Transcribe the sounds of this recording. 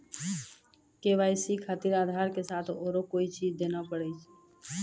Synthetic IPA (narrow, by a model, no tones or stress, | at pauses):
keʋaːjsikʰaːt̪iɾaːd̪ʱaɾkesat̪ʰoːɾokoːit͡ʃid͡ʒd̪enapəɽɛt͡ʃʰ